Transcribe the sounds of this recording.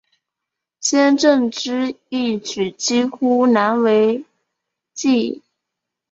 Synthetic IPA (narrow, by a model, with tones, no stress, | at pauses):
ɕjɛ˥nʈ͡ʂɤ˥˩ŋʈ͡ʂɻ̩˥ | i˥˩t͡ɕy˨˩t͡ɕi˥xu˥na˧˥nwe˧˥ɪ | t͡ɕi˥˩